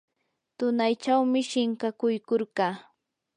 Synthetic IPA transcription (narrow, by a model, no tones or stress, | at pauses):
t̪ʊnajt͡ʃawmɪʃɪŋkakʊjkoɾɢɑː